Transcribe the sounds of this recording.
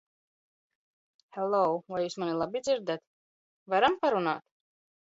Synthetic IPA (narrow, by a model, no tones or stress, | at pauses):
hɛlɔwvajuːsmanilˠabʲid̪zʲiɾd̪at̪ | vaɾampaɾuna̰ːt̪